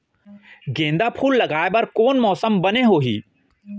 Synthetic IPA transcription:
ɡẽːnd̪apʰuːlːɐɡaːebəɾkoːnmɔːsəmbɐneɦoːɦḭː

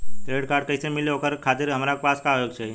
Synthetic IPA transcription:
t̪ɾeɽkaːɾɖ̚kəɪsemɪleokəɾkʰat̪ɪɾɦəmɾakpaskajoɡt͡ʃʰe

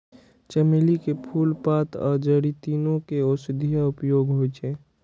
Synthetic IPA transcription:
t͡ʃəmelikepʰulpat̪ʰɔ̰d͡ʒəɽit̪inõkeosd̪ʱijaʊpjoːɡɦojt͡ʃe

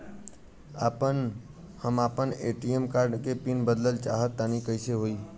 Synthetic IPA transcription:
a̰ːpən | həmaːpəneːʈijəmkaːɾɖkepinbəd̪ləlt͡ʃaːɦət̪ːaːnikəɪseɦoːiː

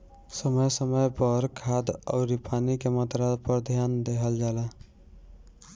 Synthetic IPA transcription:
səməjsəməjpəɾkʰad̪ɔ̰ːɾipʰanikemət̪ɾapəɾd̪ʱjand̪eɦʰəld͡ʒala

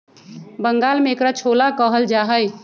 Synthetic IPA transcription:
bəŋɡalmeekɾat͡ʃʰolakəɦəld͡ʒaɦəj

